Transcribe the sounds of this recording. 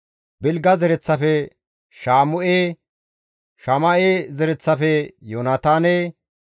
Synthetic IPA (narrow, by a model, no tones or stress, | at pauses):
bɪlɡɐzɛɾɛt͡sːɐfɛ | ʃaːmʊʔeː | ʃɐmɐʔeːzɛɾɛt͡sːɐfɛjoːnat̪aːneː